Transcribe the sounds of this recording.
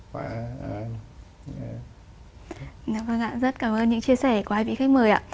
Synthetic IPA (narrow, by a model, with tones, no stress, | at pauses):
a˧˩ | a˧ | ʔvə˧˩ŋʔa̰ː˧˨zə˦˥t̚kaː˧˩mʔəː˧nɲɨ̰˧˥ŋt͡ɕi˧əsɛ˧˩ku˨˩haː˧jvḭ˧˥xa˦˥k̚məː˨˩jʔa̰ː˧˨